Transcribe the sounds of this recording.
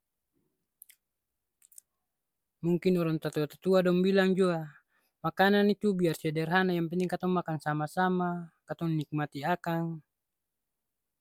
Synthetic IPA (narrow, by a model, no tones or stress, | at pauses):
muŋkinɔɾɔŋt̪at̪uat̪at̪uadɔŋbilaŋd͡ʒua | makananit̪ubiarsɛdɛrɦanajampɛnt̪iŋkat̪ɔmːakansamasamakat̪ɔŋnːik̚mat̪iakaŋ